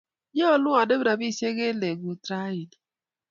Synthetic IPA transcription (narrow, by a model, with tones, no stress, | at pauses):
ɲ˦ɔ˦˨lʊ˦a˨de˦bɾa˨bi˦˨se˦ɣe˦le˨ɡu˨tɾa˦i˨d